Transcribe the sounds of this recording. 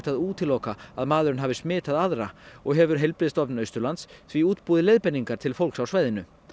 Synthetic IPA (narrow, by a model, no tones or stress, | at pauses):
t̪aðuːt̪ʰɪlowkaaðmaːðʏɾɪnɦavɪsmɪːt̪aðaðɾa̰ɔɣɦɛvʏɾ̥ɦejlpɾɪːðst̪ɔpnœɥst̪ʏɾlant̪sθviuːt̪puːðɪlejðpɛniŋkaɾ̥t̪ʰɪlfowlksawsvaːjðɪnʏ